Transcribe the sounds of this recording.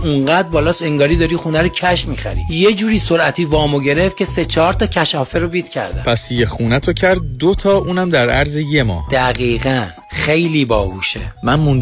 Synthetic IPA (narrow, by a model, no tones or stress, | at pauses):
uɴɢæd̪̚bɒːlɒːseŋɡɒːɾiːd̪ɒːɾiːxuːnæɾocʰæʃmiːxæ̰ɾḭje̞d͡ʒuːɾiːso̞ɾæt̪ʰiːvɒːmoɟe̞ɾe̞ft̪cʰe̞se̞t͡ʃʰɒːɾt̪ʰɒːcʰæʃɒːfeɾobiːd̪̥cʰæ̰ɾd̪æ̰pʰæsjexuːnæt̪ʰocʰæɾd̪̚d̪ot̪ʰɒːʔuːnæmd̪æɾæɾzejemɒ̰ːd̪̥æɣiːɣæn | χe̞jliːbɒ̰ːɡuːʃḛmænmund̪